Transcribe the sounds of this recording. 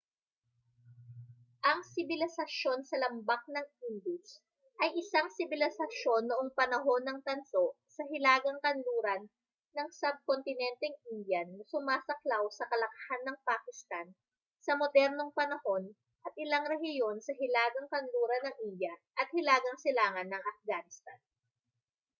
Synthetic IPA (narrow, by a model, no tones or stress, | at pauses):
ʔɐŋsɪbɪlɪsɐʃo̞nsɐlɐmbak̚nɐŋind̪ɪs | ʔɐjʔɪsaŋsɪbɪlɪsɐʃo̞nːoʔoŋpɐnɐɦo̞nːɐŋt̪ɐnso̞ʔ | sɐɦɪlaːɡɐŋkɐnluːɾɐnː | ɐŋsɐb̚kont̪ɪnɛnt̪ɛŋʔind̪jɐnːɐsʊmaːsɐklawsɐkɐlɐkɐhanːɐŋpaːkɪst̪an | sɐmo̞d̪ɛɾno̞ŋpɐnɐho̞n | ʔɐt̪̚ʔɪlaŋɾɛhɪjo̞nsɐɦɪlaːɡɐŋkɐnluːɾɐnːɐŋʔind̪jɐʔɐt̪̚hɪlaːɡɐŋsɪlaːŋɐnːɐŋʔɐfɡaːnɪst̪an